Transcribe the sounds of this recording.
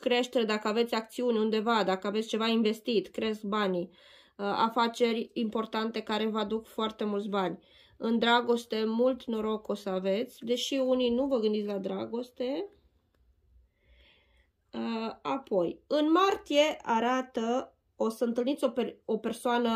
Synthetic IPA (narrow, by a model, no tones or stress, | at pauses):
kɾe̞ʃt̪eɾed̪akəave̞t̪sʲak̚t̪siunʲund̪e̞vad̪akəavet̪sʲt͡ʃe̞vainve̞st̪it̪kɾe̞sk̚banʲ | a̰fat͡ʃe̞rʲimpo̞rt̪ant̪e̞kaɾe̞vəad̪ukfoart̪e̞mult̪s̬ʲbanʲ | ɨnd̪ɾaɡo̞st̪e̞mult̪no̞ɾo̞ko̞səave̞t̪sʲd̪e̞ʃiuninuvəɡɨnd̪it̪ʲlad̪ɾaɡo̞st̪e̞ | əapʰo̞jɨnmart̪ije̞ʔaɾat̪ə | o̞səɨnt̪ɨlnit̪sʲopeope̞rsoanə